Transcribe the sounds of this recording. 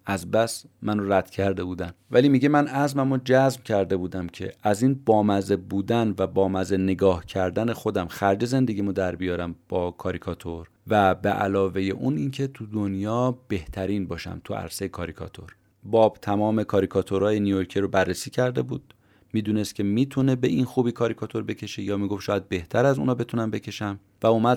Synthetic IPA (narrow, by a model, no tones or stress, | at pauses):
æzbæs | mænoræd̪̥cʰæɾd̪e̞buːd̪ænvæliːmiɟe̞mænæzmæmod͡ʒæzmcʰæɾd̪e̞buːd̪æmcʰe̞̰æziːnbɒːmæzebuːd̪ænvæbɒːmæzene̞ɡɒːhcʰæɾd̪æne̞xo̞d̪æmxæɾd͡ʒe̞ze̞nd̪e̞ɡʲimud̪æɾbijɒːɾæmb̥ɒːkʰɒːɾikʰɒt̪ʰo̞ɾ | væbeʔæ̰lɒːve̞jeʔuniːncʰe̞t̪ʰud̪onjɒːb̥e̞ht̪ʰæɾiːnbɒːʃæ̰mt̪ʰuæ̰ɾsejekʰɒːɾikʰɒ̰t̪ʰo̞̰ɾ | bɒːb̥t̪ʰæmɒːme̞kʰɒːɾikʰɒt̪ʰoɾɒːjenijoɾcʰiɾobærːesiːcʰæɾd̪e̞buːd̪̥̚ | miːd̪uːnest̪kcʰemiːt̪ʰune̞beʔinxuːbiːkʰɒːɾikʰɒt̪ʰo̞ɾbe̞cʰe̞ʃejɒːmiːɡofʃɒːjæd̪̚be̞ht̪ʰæɾæzṵːnɒːbe̞t̪ʰunæmbe̞cʰe̞ʃæm | væumæd̪